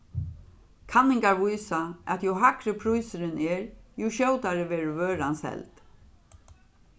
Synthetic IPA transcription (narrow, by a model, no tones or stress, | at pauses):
kʰanːɪŋkaɹvujsaæt̪juɦakɾɪpʰɾujsɪɾɪnɛːɹjuʃœwt̪aɹɪʋɛːɹɪvøːɾansɛ̰lt̪